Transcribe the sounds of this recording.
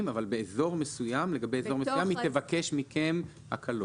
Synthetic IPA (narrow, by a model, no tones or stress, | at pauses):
mavalbe̞ːzo̞ʁme̞sujamle̞ɡabe̞jezo̞mesujamit̪evake̞ʃmikʰe̞m | ha̰kʰalo